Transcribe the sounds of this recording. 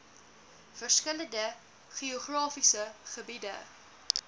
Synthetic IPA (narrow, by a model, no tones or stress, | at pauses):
fərskələndə | χioχrɑːfisəχəbidə̰